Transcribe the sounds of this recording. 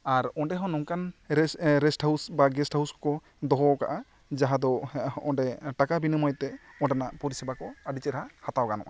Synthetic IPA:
aɾɔɳɖɛɦɔ̃nɔŋkan | ɾɛsʈhawsbaɡɛsʈhawskɔ | d̪ɔɦɔka̰ʔa | d͡ʒaɦad̪ɔɔɖɛʈakabinimɔjt̪ɛɔɖanaʔpɔɾisɛbakɔəɖit͡ʃɛɾɦahat̪awɡanɔ̰ʔa̰

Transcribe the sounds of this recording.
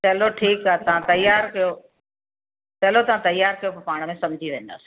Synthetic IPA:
t̪ɐɦloʈʰiːkaːt̪ɐʋ̤ãt̪ɐjaːɾkɐjo | t̪ɐɦlot̪ɐʋ̤ãt̪ɐjːaːɾkɐjopɐpaːɽ̃mẽsɐ̃md͡ʑʱiʋẽːn̆d̪a̰ːsi̥

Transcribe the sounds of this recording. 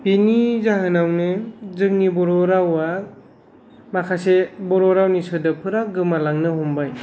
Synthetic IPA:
binizaɦɯnawnɯzɯŋ̚nibɔɾɔɾawa | makʰasebɔɾɔɾawnisɯdɯpʰɯɾaɡɯmalaŋnɯɦɔmbaj

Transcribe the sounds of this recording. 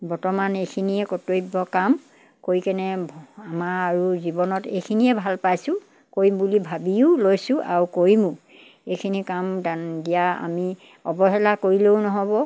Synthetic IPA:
bɔɹtɔmanejkʰiniɛkɔtojbɔkam | koɹikɛnɛamaaɹuzibɔnɔtejkʰiniɛbʱalpajsʊ̃ | koɹimbulibʱabiʊlojsʊ̃ʔa̰ɹukoɹimũ | ejkʰinikamdandijaa̰mi | ɔbɔɦɛlakoɹileʊnɔɦɔbɔ

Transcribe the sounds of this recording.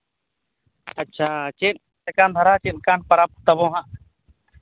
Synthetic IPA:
ɐtːʃʰaːt͡ʃeːn | sekaːnd̪ʱɐɾaːt͡ʃenkaːnpɐɾaːp̚t̪ɐbõːɦã

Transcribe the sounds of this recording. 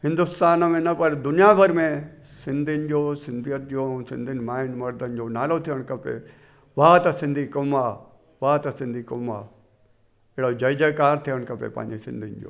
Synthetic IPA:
hɪ̃nd̪ʊst̪aːnmẽnɐpɐɾd̪ʊnijabʱɐɾmẽsɪnd̪ind͡ʒoːsɪnd̪ʱijət̪̚d͡ʒõːsɪ̰̃nd̪ʱɪnmaːɪnmɐɾd̪ənd͡ʒoːnaːlot̪ʰijəɽ̃kɐpḛ | ʋaːt̪ɐsɪ̃nd̪ʱikoma | ʋaːt̪ɐsɪ̃nd̪ʱikoma̰ | eɽod͡ʒɐjd͡ʒəkaːɾt̪ʰijəɳkɐpḛpa̰ːnd͡ʒisɪ̰̃nd̪ʱɪnd͡ʒo̰ː

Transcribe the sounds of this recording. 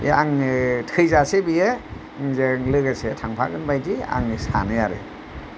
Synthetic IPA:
ḛaŋtʰɯjzasebije | ŋzeŋlɯɡasetʰaŋpʰa̰ɡɯnbajdia̰ŋɯsa̰nɯjaɾɯ̰

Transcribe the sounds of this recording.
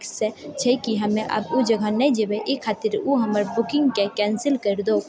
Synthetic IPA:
kset͡ʃʰɛkiɦɐmẽʔɐ̰bud͡ʒəɡʱãnɛd͡ʒəweʔekʰːaːt̪ɪɾuɦɐməɾbʊkɪ̃ŋɡkekɛ̃ːnsɪlkəɾd̪o

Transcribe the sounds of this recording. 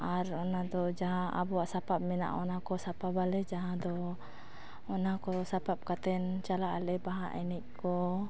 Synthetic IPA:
aɾɔnad̪ɔd͡ʒaɦãa̰buaʔsapap̚mina̰ʔɔnakɔsapabalɛd͡ʒaɦãd̪ɔ | ɔnakɔsapap̚kat̪ɛnt͡ʃalaʔalɛbaɦaʔɛniʔkɔ

